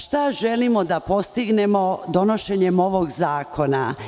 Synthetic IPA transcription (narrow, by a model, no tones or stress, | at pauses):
ʃt̪aʒelimod̪apo̞st̪iɡne̞mo̞d̪o̞no̞ʃe̞ɲemo̞ʋoɡzaːko̞na̰